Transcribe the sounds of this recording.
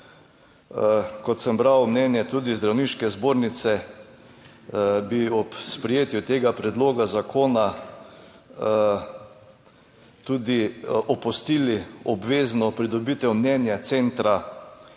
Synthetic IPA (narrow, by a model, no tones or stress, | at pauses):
kɔt̪səmbɾawmnɛnjɛt̪uːd̪izd̪ɾawniːʃkɛzboːɾnit̪sɛ | biɔpspɾɛjeːt̪jut̪eːɡapɾɛd̪loːɡazakʰoːna | t̪uːd̪iʔɔpɔst̪iːliɔbʋeːznɔpɾid̪ɔbiːt̪ɛwmnɛnjat̪sent̪ɾa